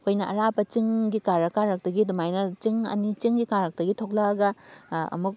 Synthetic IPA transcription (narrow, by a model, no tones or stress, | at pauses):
kʰojnɐɐɾapɐt͡ʃiŋɡikaɾɐkaɾɐk̚tɐɡidumajnɐt͡ʃiŋɐ̰nit͡ʃiŋɡikaɾɐk̚tɐɡitʰok̚laɡɐɐ̰muk̚